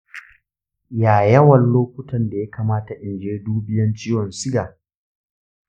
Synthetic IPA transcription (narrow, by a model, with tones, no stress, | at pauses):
jaː˨jɐ˦wɐ˨nloː˦kʷʊ˦tɐ˨nda˨ja˦kaː˨maː˦ta˨ʔɪ˨nd͡ʒeː˦duː˦bɪ˦jɐ˦nt͡ʃiː˦wɔ˨nsɪ˦ɡaː˨